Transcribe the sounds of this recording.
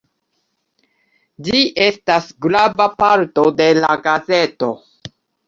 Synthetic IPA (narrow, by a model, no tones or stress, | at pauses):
d͡ʒiʔe̞stasɡlabapaɾto̞de̞laɡaze̞to̞